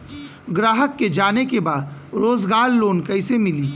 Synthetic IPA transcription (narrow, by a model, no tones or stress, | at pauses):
ɡɾaːɦəkːed͡ʒaːnekebaːd̪ɾoːzɡaːɾloːnkɐɪsemɪliː